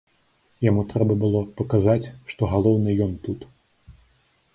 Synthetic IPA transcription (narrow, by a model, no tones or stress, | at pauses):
jamut̪ɾɛbɐbɨlˠɔpɐkazat͡sʲʂt̪ɔɣalˠɔwnɨjɔnt̪ut̪